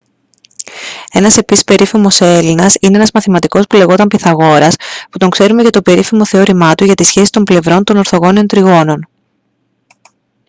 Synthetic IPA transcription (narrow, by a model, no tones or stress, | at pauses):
e̞nɐse̞pisi̥spe̞ɾifimo̞se̞linɐsineenɐzmɐθimɐt̪iko̞spule̞ɣo̞t̪ɐmpiθɐɣo̞ɾɐsput̪o̞ŋkse̞ɾume̞cɐt̪o̞pe̞ɾifimo̞θe̞oɾimɐt̪uʝɐt̪isçe̞si̥t̪o̞mble̞vɾo̞nt̪o̞no̞ɾθo̞ɣo̞nio̞nt̪ɾiɣo̞no̞n